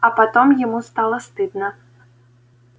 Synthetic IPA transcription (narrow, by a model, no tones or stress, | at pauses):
ɐpat̪ɔmjamust̪alˠɐst̪ɨd̪nɐ